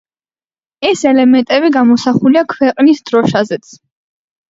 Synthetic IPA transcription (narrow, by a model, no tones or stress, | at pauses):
ɛsɛlɛmɛnt̪ʼɛβiɡamɔsaχuliakʰwɛqʼnisd̪̥ɾɔʃazɛt̪sʰ